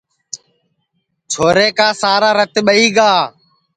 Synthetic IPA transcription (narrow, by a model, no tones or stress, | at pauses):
t͡ʃʰoːɾeːkaːsaːɾaːɾət̪ɓəiːɡaː